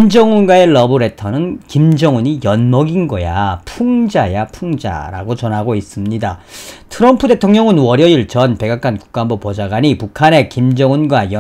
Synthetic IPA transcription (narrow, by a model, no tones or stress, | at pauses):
imd͡ʑʌŋunɡwae̞ɭʌbɯɾe̞tʰʌnɯnkimd͡ʑʌŋuɲijʌnmʌɡinɡʌja̰pʰuŋd͡ʑajapʰuŋd͡ʑa̰ɾa̰ɡot͡ɕʌnɦaɡois͈ɯmɲidatʰɯɾʌmpʰude̞tʰoŋɲʌŋɯnwʌɾjʌiɭt͡ɕʌnpe̞ɡak͈anku̥k͈aɦambopod͡ʑaɡwaɲipukʰane̞kimd͡ʑʌŋunɡwajʌ